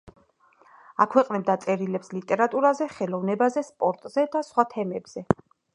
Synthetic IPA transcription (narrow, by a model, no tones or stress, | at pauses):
akʰwɛqʼnɛbd̪at̪sʼɛɾilɛpslit̪ʼɛɾat̪ʼuɾazɛχɛlˠɔvnɛbazɛspʼɔɾt̪ʼz̥ɛd̪asχwat̪ʰɛmɛbz̥ɛ